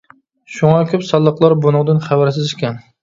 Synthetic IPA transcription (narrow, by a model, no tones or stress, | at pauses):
ʃʊŋɑkʲʰɵpsɑlˠːəqlˠɑɾbonʊŋd̪ɪnχabæɾsɪzɪkʲʰɛn